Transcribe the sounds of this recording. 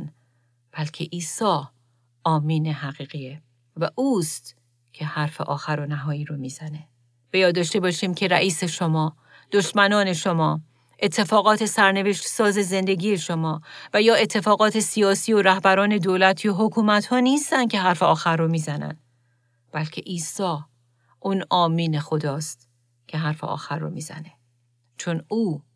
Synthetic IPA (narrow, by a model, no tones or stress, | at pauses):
n | b̥ælcʰeʔiːsɒː | ɒːmiːneɦæɣiːɣie | væʔuːst̪ | cʰe̞hæɾfe̞̰ʔɒːxæɾo̞næɦɒːjiːɾomiːzæne̞ | b̥ejɒːd̪ɒːʃt̪e̞bɒːʃiːmcʰe̞ɾæ̰ʔiːse̞ʃo̞mɒː | d̪̥oʃmænɒːne̞ʃo̞mɒː | ʔe̞t̪ʰːe̞fɒːɣɒːt̪ʰe̞sæɾne̞ve̞ʃt̪sɒːze̞ze̞nd̪e̞ɡiːe̞ʃo̞mɒːvæjɒːe̞t̪ʰːe̞fɒːɣɒːt̪ʰe̞sijɒːsiːo̞ɾæhbæɾɒːne̞d̪oːlæt̪ʰijoɦokʰuːmæt̪hɒːniːst̪ænd̪̥̚cʰe̞ɦæɾfeɒːxæɾːomiːzænæ̰n | b̥ælcʰe̞ʔiːsɒː | ʔuːnɒːmiːne̞xo̞d̪ɒːst̪ | cʰe̞ɦæɾfeʔɒ̰ːxærːo̰miːzæ̰ne̞ | t͡ʃʰo̞nuː